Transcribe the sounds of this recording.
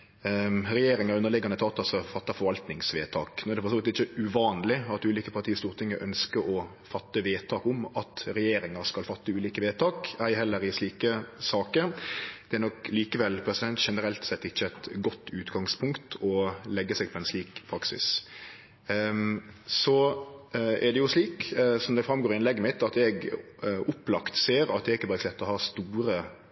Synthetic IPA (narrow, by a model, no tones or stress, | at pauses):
ɾɛjeːɾɪŋəɾʉnəɾlɪɡɑnət̪ʰɑːt̪ːɑsɔfɑt̪ːɑfɔɾʋɑlt̪nɪŋsʋeːt̪ʰɑːknuːɛdɛfɔʁsɔːʋɪt̪ɪçːəʉʋɑːnlɪɑt̪ʉːliːkəpʰɑɾt̪ʰiːəst̪uːʁt̪ʰɪŋːəɾʔœ̰nskəɔ | fɑt̪ːəʋeːt̪ʰɑːkʊmɑt̪ɾɛjeːɾɪŋəɾskɑlfɑt̪ːəʉːliːkəʋeːt̪ʰɑːkæɪhɛlːəɾɪsliːkəsɑːkəɾd̪̥ɛæɾnɔkliːkəʋɛlpʰɾɛsɪd̪ɛnt̪ʃɛnəɾɛlt̪sɛt̪ːɪçːəɛɪt̪ɡɔt̪ːʉːt̪ɡɑŋspʰʊŋkt̪ʰɔlɛɡːəsɛɡ̚pʰɔɛnsliːkpʰɾɑksɪ̰s | sɔ | ɛ̰ɾɖɛjʊsliːksɔmd̪ɛfɾɑmɡoːɾɪɪnlɛɡːəmɪt̪ːɑt̪ɛɡ | ʔʊplɑkt̪seːɾɑt̪̚d̪ɛɾɪkːəbɑːɾəslɛt̪ːɔhɑːst̪uːɾə